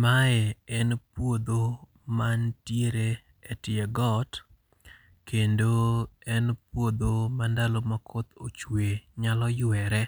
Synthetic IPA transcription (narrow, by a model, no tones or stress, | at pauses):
maɛɛnpwod̪o | mantjeɾe | ɛtɪɛɡɔt | kendoɛnpwod̪omandalomakʰot̪ot͡ʃweɲalɔjʊɛɾɛ